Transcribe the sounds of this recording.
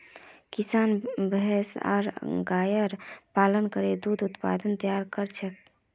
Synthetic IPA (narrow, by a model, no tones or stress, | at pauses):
kisaːnbəɦɛsa̰ɾɡaːjəɾpaːlənkəɾed̪ud̪ut̪pa̰d̪ənt̪əjaɾkəɾt͡ʃʰək̚